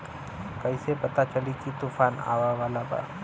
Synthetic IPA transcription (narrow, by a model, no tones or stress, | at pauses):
kɐisepɐt̪at͡ʃəlikit̪uːfaːna̰ːʋaʋaːlaba̰ː